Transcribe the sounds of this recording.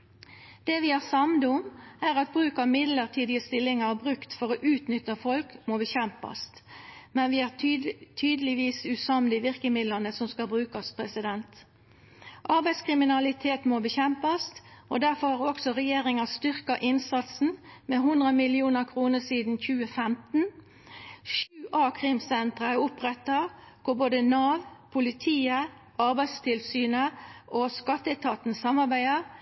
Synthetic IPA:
d̪̥eʋɪæʁsɑmd̪əʊmæːʁɑt̪̚bʁʉːkɑmɪd̪ləʁt̪ʰiːd̪ɪəst̪ɪlːɪŋɑbʁʉkt̪fɔɾoːʔʉːt̪nʏt̪ːəfɔlkmoːbəçɛmpɑ̰st̪mɛnʋɪæːʁt̪ʰyːd̪əlɪʋiːsʉsɑmd̪əɪʋɪʁkəmɪd̪lənəsɔmskɑlbʁʉːkɑspʰʁɛsɪd̪ɛnt̪ | ʔɑɾbæɪskʰʁɪmɪnɑlɪt̪ʰeːt̪moːbəçɛmpɑst̪ʔod̪æʁfɔʁhɑɾɔksɔʁɛjeːʁɪŋɑst̪ʏʁkəʔɪnsɑt̪sn̩meːɦʊnd̪ʁəmɪlɪuːnəʁkʰʁuːnəsiːd̪n̩çʉːəfɛmt̪n̩ | ʃʉːʔɑːkʰʁɪmsɛnt̪ʁəæʊpʁɛt̪ːɑ | kʊboːd̪ənɑːʋpʰʊlɪt̪ʰiːə | ɑʁbæɪd̪st̪ʰɪlsyːnəʔoskɑt̪ːət̪ʰɑːt̪n̩sɑmɑʁbæɪəʁ

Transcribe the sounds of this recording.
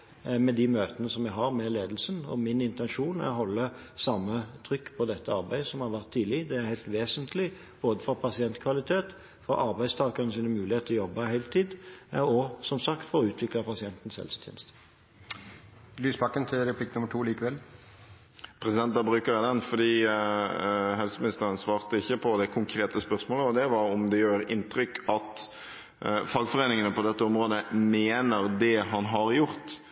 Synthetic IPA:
mɛd̪imøːt̪ənəsɔmjæɡɦɑɾmɛleːd̪l̩sənɔ̰mɪnɪnt̪ɛnʃuːnæ̰ʁɔɦɔlːə | sɑmːət̪ʰʁʏkːpʰɔd̪ɛt̪ːəɑʁbæɪəsɔmhɑɾʋæʁt̪ʰːiːlɪd̪ɛæɾhæɪlt̪ʋeːsənt̪ʰlɪ | b̥oːd̪əfɔɾpʰɑsɪɛnt̪kʰʋɑlɪt̪ʰeːt̪ | fɔɾʔɑɾbæɪst̪ʰɑːkɑnəsiːnəmʉːlɪheːt̪ʰːɔjɔbːɑhæɪlt̪ʰiːd̪ɔsɔmsɑkt̪fɔɾɔʉːt̪ʰʋɪklɑpɑsɪɛnt̪ən̩sɛ̰lst̪ʰɛ̰ːnst̪ | lyːsbɑkːənt̪ʰɪlɾɛpʰlɪknʊməʈʰuːliːkəʋɛl | pʰɾɛsɪd̪ɛnt̪̚d̪ɑbɾʉːkəɾæɪd̪ɛnfɔd̪iː | ɦɛlsəmɪnɪst̪əʁənsʋɑːʁt̪əɪçːəpʰɔd̪ɛkʰʊŋkʰɾeːt̪əspœʁsmoːləɔd̪ɛʋɑɾɔmd̪ɛjøːɾɪ̰nt̪ɾʏkʰɑt̪ | fɑɡfɔʁeːnɪŋənəpɔd̪ɛt̪ːəɔmʁoːd̪əmeːnəʁd̪ɛɦɑnɦɑʁjʊʁt̪

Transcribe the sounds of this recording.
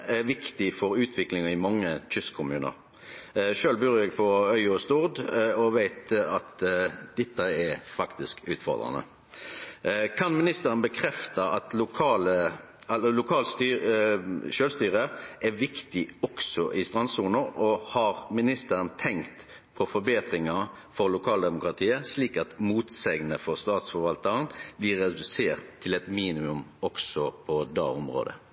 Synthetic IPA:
ɛʋɪkt̪ɪfɔɾʉːt̪ʰʋɪklɪŋɑɪmɑŋːət̪ʰʏskʰːʊmʉːnə̰ɾ | ʃøːlbyːʁjɛɡpʰɔœʏɔst̪uʁd̪ɔʋæɪt̪ɑt̪d̪̥ɛt̪ːəɛɾfɑkt̪ɪskʉːt̪fɔ̰ʁd̪ɾʁɑ̰nə̰ | kʰɑnmɪnɪst̪əɾənbəkʰɾɛft̪ɑʔɑt̪lʊkʰɑːlə | ɛlːəlʊkʰɑːlst̪yː | ʃøːlst̪yːʁəʔɛʋɪkt̪ɪɔksɔʔɪst̪ʁɑnsuːnəɔhɑʁmɪnɪst̪əɾənt̪ʰɛŋkt̪ | pʰɔfɔɾbeːt̪ʁɪŋɑ | fɔɾlʊkʰɑːld̪ɛmʊkɾɑt̪ʰiːəsliːkɑt̪muːt̪sɛɡnəfɔʁst̪ɑːt̪sfɔɾʋɑlt̪əʁənblɪʁːɛd̪ʉseːʁt̪ʰːɪlɛt̪miːnɪmʉmɔksɔpʰɔd̪ɑ̰ːʊ̰mʁo̰ːd̪ə̰

